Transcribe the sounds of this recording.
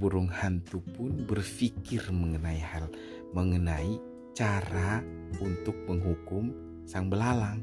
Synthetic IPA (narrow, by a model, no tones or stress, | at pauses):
buɾʊŋhant̪upʊnbərfikɪrməŋənaihal | məŋənai | t͡ʃaɾa | unt̪ʊk̚məŋɦukʊm | saŋbəlalaŋ